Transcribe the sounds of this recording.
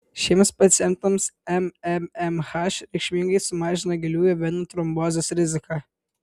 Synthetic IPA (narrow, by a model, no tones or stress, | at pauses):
ʃʲiɛmspɐt̪sʲjɛnt̪ɐmsɛmɛmɛmxɑʃɾʲɛɪkʃʲmʲɪŋɡɐɪsʊmɑːʒʲɪnɐɡʲɪlʲuːjɛʋʲɪnut̪ɾɔmboːzʲesɾʲɪzʲɪkɑ